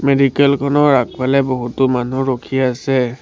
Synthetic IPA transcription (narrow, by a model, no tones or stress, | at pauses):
medikɛlkʰɔnɔɹak̚pʰalɛbɔɦutʊmanuɹokʰiasɛ